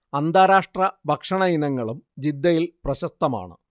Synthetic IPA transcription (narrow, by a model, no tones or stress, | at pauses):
ɐnd̪ʱaːɾaːʂʈrɐbʱɐkʂɐɳɐjinɐŋːɐɭumd͡ʑid̪ːɐjilprɐɕɐst̪ɐma̰ːɳɨ̰